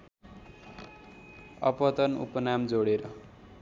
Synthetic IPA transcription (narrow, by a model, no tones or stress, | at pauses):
ʌpʌt̪ʌnṵpʌnamd͡zoɽeɾʌ